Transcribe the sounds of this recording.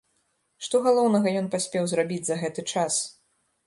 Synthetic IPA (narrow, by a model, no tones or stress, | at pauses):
ʂt̪ɔɣalˠɔwnɐɣɐjɔnpasʲpʲɛwzrabʲid͡zʲzɐɣɛt̪ɨt͡ʂas